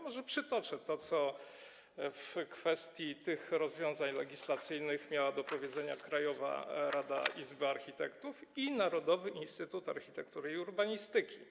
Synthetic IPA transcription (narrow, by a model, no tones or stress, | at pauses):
mɔʐɛpʂɘt̪ɔt͡ʂɘt̪ɔt̪sɔ | fkfɛst̪ʲjit̪ɘxɾɔzvʲjɔ̃w̃zaɲlɛɡʲislat̪sɘjnɘxmʲjawad̪ɔpɔvʲjɛd̪zɛɲa̰kɾajɔva̰ɾad̪a̰ʔizbɘaɾxʲit̪ɛkt̪ufinaɾɔd̪ɔvɘʔinst̪ɘt̪ut̪a̰ɾxʲit̪ɛkt̪uɾɘuɾbaɲist̪ɘkʲi